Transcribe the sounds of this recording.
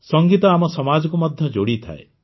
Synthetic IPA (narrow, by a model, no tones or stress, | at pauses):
sɔŋɡit̪ɔamɔsɔmad͡ʒɔkumɔd̪ʱjɔd͡ʒoɽit̪ʰa̰e